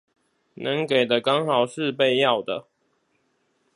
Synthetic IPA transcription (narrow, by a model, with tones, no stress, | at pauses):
nə˨˦ŋke˨˩ɪd̪ə˦kɑ˦ŋxɑ˨˩ʊʂɻ̩˥˨pe˥˧ɪjɑ˥˨ʊd̪ə˩